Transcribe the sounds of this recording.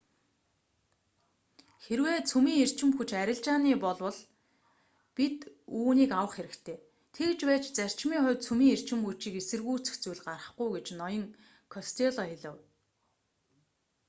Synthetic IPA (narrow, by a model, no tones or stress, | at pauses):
xeɾweːt͡sʰumiːŋer̥t͡ɕɪ̆mxut͡ɕæɾʲɪ̆ɮt͡ɕaːniːpɔɮwə̆ɮ | pit̪uːniːkawə̆χxeɾɘ̆kt̪ʰeː | t̪ʰekt͡ɕpæːt͡ɕt͡sær̥t͡ɕmiːŋχʊːt̪̚t͡sʰumiːŋer̥t͡ɕɪ̆mxut͡ɕiːkesɘ̆rɣuːt͡sɘ̥̆xt͡sujɮɢarə̆χɡujɡet͡ɕnɔjɞ̆ŋ | kʰɔst̪ʰeɮɔiɮə̆w